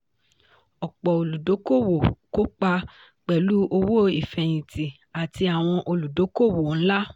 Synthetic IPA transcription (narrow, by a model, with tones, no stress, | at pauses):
ɔ˨k͡pɔ˨o˨lu˨do˨˦ko˦˨wo˨ko˦k͡pa˧ | k͡pɛ˨lu˦ʔo˧wo˦i˨fɛ˧j̃ĩ˨ti˨ | a˨ti˧a˨w̃ɔ̃˧ʔo˧lu˨do˨˦ko˦˨wo˨ñ̩˦la˦